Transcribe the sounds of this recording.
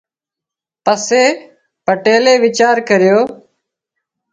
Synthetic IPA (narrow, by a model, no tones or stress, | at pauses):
pəseː | pəʈeːleːʋɪt͡ʃaːɾkəɾɪjoː